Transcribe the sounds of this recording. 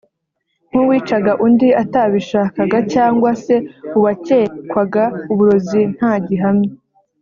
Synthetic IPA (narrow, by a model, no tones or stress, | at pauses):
ŋ̥huwiːt͡ʃaɡaʔundiataβiʃaːkaɡacaːŋɡwase̞uβace̞ːkwaɡauβuɾo̞zin̥haːɟiɦamɲe